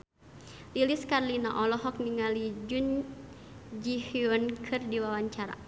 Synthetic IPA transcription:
liliskarlina̰ʔɔlɔɦɔk̚niŋalid͡ʒun | d͡ʒihiɔnkʰɨrdiwawaɲt͡ʃaɾa̰

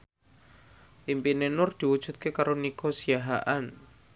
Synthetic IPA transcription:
ʔimpinenʊrd̪̥i̤wud̥ʒ̥ṳt̪̚kekaɾoniɡ̥osiaɦaʔan

